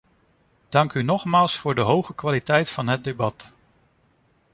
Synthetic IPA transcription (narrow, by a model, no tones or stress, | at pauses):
d̥ɑŋkynɔχmaːlˠsfʊːɹdəɦowχəkʋaːlitɛjtfɑnɦət̚debɑt